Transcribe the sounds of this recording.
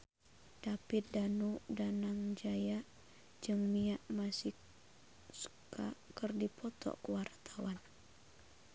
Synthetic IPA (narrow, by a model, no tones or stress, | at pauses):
d̥apɪt̪̚danudanaŋd͡ʒaja | d͡ʒɨŋmiaʔmasi | sə̥kakərdipʰɔt̪ɔ̰kəwart̪ʰawan